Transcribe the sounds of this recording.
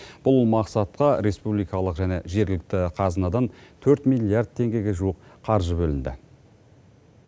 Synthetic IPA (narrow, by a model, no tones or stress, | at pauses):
b̥ʊlˠmɑqsɑt̪̚qɑɾe̞spublˠijkɑlˠəqʒæne̞̰ʒe̞ɾɡʲɪlɪk̚t̪ɪqʰɑzənɑd̪ɑnt̪ʰɵɾt̪mijlʲːijaɾrd̪̚t̪ʰe̞ŋɡʲe̞ɡʲeʒuwəqʰɑɾʒəbɵlɪnd̪ɪ̰